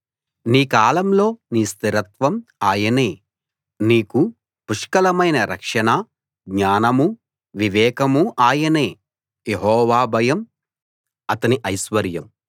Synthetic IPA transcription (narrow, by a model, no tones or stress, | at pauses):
niːkaːlɐmlo̞ːniːst̪iɾɐt̪ʋɐmaːjɐneː | niːku | puʂkɐlɐmɐjnɐɾɐ̰kʂɐnaː | ɡɲaːnɐmu | ʋiʋɛːkɐmuʔaːjɐneː | jeɦɔːʋaːbʱɐjɐm | ɐt̪ɐniʔɐjsʋɐɾjɐm